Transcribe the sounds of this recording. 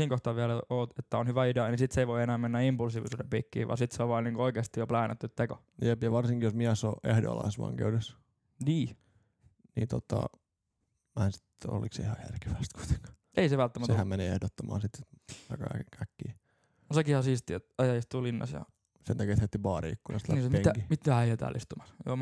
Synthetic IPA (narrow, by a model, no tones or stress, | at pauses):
siːŋkoht̪ɑʋʋiælæoːt̪et̪ːæonhyʋæideɑnisit̪seiʋoienæːmenːæimpulsiːʋḭsuːdempiːkːḭːʋʔɑ̰ːnsit̪seoʋʋɑːniːŋkuoikeːst̪ijoplæːnæt̪ːyt̪t̪eko | jepjɑʋɑrsiŋkijosmiæsoʔehdo̰ɑ̰lɑ̰isʋɑ̰ŋkḛudes | niː | nḭːnt̪ot̪ɑ̰ | mæhnsi̥t̪o̰lḭksihɑjæ̰rke̥ʋæst̪ku̥it̪e̥ŋkɑ̥ | eiseʋælt̪ːæmæt̪sehæmmeneehdot̪ːomɑːnsit̪ɑkɑ̰kækːiː | sekihɑsist̪iet̪ɑjɑist̪ulinːɑ̰sjɑ̰ | sent̪ækiæet̪het̪ːipɑːriikːujost̪læniemeŋækimit̪ːæhæiet̪æ̰ːlʔḭst̪umɑsjo̰ː